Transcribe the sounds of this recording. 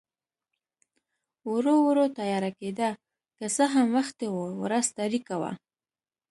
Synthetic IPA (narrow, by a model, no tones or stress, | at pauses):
wuɾowɾot̪ajɑɾaked̪a | kəsəɦamwaxt̪ewowɾast̪aɾikawa̰